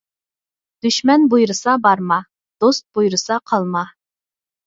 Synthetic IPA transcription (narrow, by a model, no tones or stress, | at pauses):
d̪̥yʃmɛnbujɾɨsɑbɑɾmɑ | d̪̥ost̪̚bujɾɨsɑqʰɑlˠmɑ